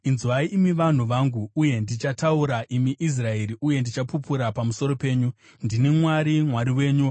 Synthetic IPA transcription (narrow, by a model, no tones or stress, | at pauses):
inzwaiʔimiʋan̤uʋaŋɡuːje̞ndit͡ʃatauɾaʔimiʔis̬rae̞ɾiʔuje̞ndit͡ʃapupuɾapamuso̞ɾo̞pe̞ːɲu | ndinimwaɾimwaɾiwe̞ːɲu